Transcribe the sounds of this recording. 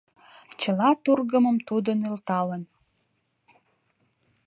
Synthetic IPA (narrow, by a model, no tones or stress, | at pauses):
t͡ɕəlɑt̪urɣəməmt̪ud̪ənylt̪ɑlən